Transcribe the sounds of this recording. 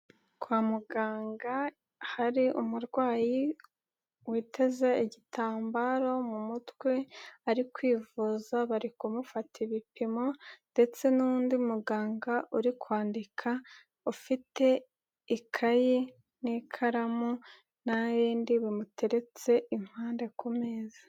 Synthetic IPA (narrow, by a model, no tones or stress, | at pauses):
kwaːmuɡaːŋɡa | haɾiʔumuɾɡwaːji | wiːtʰe̞ze̞iɟitʰaːmbaɾo̞mumutweaɾikwiːvuzaβaɾikumufatʰiβipimo̞nde̞t͡se̞nuːndiumuɡaːŋɡaʔuɾikwaːndikʰa | ufite̞ | ikʰaji | nikʰaɾamu | naβiːndiβimutʰe̞ɾe̞t͡se̞im̥haːnde̞kumeːzḁ